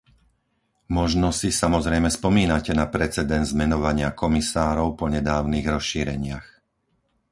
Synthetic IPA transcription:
mɔʒnɔsisamɔzɾɛjmɛspɔmiːnacɛnapɾɛt͡sɛd̪ɛnd̪zmɛnɔʋaɲɪakɔmisaːɾɔʊpɔɲɛd̪aːʊniːɣɾɔsʃiːɾɛɲɪax

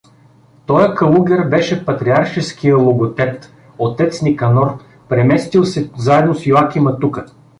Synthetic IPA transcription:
t̪ɔjəkɐlˠuɡʲɛɾbɛʃɛpɐt̪ɾiaɾʃɛskijəlˠoɡot̪ɛt̪ | ot̪ɛt̪snikɐnɔɾ | pɾɛmɛst̪ilˠsɛzaɛd̪nosjoak̟imɐt̪ukə

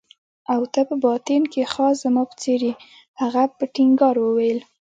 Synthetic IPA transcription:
awt̪apəbɑt̪enkexɑzamɑpə̥t͡seɾi | haɣapəʈɪŋɡɑɾwəwajl

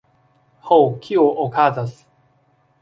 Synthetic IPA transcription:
howkʰʲioʔokʰazasɨ̥

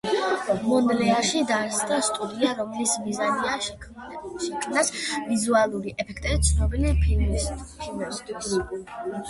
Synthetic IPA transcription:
mɔnlɛaʃid̪asd̪ast̪ʼud̪iaɾɔmlismizania | ʃɛkʰmnasvizualˠuɾiʔɛpʰɛkʰt̪ʼɛbit̪sʰnɔbilipʰ | pʰimɛst̪ʼ

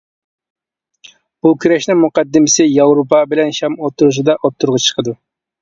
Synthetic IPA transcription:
b̥ukʲʰyɾɛʃnɪŋmuqɑd̪ːɪmɪsɪjɑwɾopʰɑbɪlɛnʃɑmop̚t̪ʰːuɾuʃ̬ɨd̪ɑʔop̚t̪ʰːuɾʁɑt͡ʃʰə̥qʰəd̪u

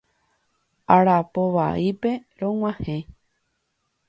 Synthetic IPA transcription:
aɾapoʋa̰ʔipe̞ɾõŋ̃ʷãhẽ

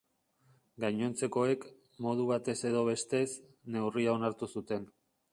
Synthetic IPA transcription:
ɡajɲo̞nt͡se̞ko̞e̞k | mo̞ð̞uβ̞at̪e̞se̞ðo̞βe̞st̪e̞s | ne̞wriao̞naɾt̪usut̪e̞n

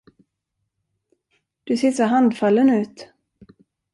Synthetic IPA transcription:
d̪̥ɵseːsɔɦand̪falːənʉ̟ːt̪

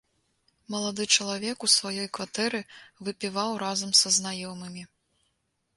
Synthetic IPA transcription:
mɐlˠad̪ɨt͡ʂɐlˠavʲɛkusvajɔjkvat̪ɛɾɨvɨpʲivawɾazɐmsɐznajɔmɨmʲi

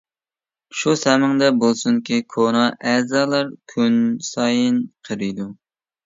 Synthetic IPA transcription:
ʃusɛmɪŋd̪ɛbolˠsunkʲikʰonɑʔɛzɑːlˠɑɾkʲʰynsɑjɨnqʰəɾɨjd̪u

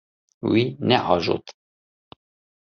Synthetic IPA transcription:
winɛʔɑːʒo̰t̪

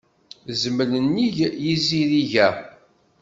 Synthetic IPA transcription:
zmələnːiʝjiziɾiʝæ

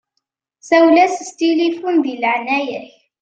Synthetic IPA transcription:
sæwlæsəst̪ilifunðilʕnæjəç

